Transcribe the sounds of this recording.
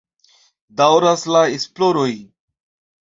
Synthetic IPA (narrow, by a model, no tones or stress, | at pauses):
d̪awɾaslaesploɾoj